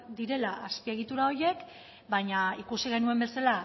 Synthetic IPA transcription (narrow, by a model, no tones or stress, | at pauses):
d̪iɾe̞laʔaspie̞ɣ̞it̪uɾao̞je̞k | baɲaikusiɣ̞e̞nue̞mbe̞sala